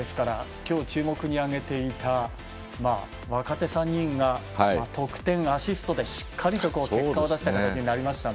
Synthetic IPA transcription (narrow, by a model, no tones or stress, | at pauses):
esɨ̥kaɾakʲo̞ːt͡ɕɨːmo̞kɯ̟ɲ̟iaɡe̞t̪e̞it̪a | ma | βakat̪e̞sãɲ̟ːĩŋɡa | at̪o̞kɯ̟̥t̪ẽ̞ɰ̃aɕisɨ̥t̪o̞d̪e̞ɕi̥kʰːaɾʲit̪o̞ko̞ːkekkːad̪aɕi̥t̪akat̪at͡ɕiɲinaɾʲimaɕi̥t̪a